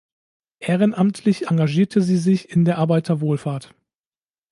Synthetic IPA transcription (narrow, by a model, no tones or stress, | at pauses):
ʔeːʁ̞ənʔamtʰlɪçʔaŋɡaʒiːɐtʰəziːzɪçɪndeːɐʔaɐbaɪtʰɐvoːlfaːɐt